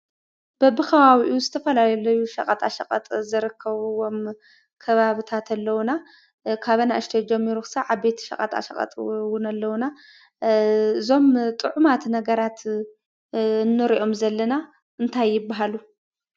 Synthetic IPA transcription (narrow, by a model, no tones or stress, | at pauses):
b̥ɐbːɨkʰɐwaβiʔuzɨt̪ʰɐfɐlalɐlɐjuʃɐqʼɐt̪ʰʼa̰ʃɐkʼɐ̰t̪ʼzɨɾɨkʰːɐβwo̞m | kʰɐβaβɨt̪ʰat̪ʰalːɐwna | kʰaβɐnaʔɨʃt̪ʰɐd͡ʒɛmːiɾukʰɨ̥saʕaβbe̞t̪ʰi̥ʃɐ̰χʼɐ̰t̪a̰ʃɐ̰kʼɐ̰t̪ʼwʊnalːɐwna | ɨzo̞mt̪ʼɨʕumat̪nɐɡɐɾat̪ | ɨnːɨɾiʔo̞mzɐlːɐna | ɨnt̪ʰajːɪbːaɦalu